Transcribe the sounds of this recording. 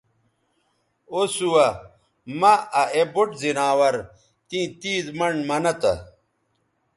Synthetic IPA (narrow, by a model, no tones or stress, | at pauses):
osuwɐ | mɐɐʔeboʈzinaːwɐɾ | t̪ĩːt̪iːzmɐɳmɐnɐt̪ɐ̰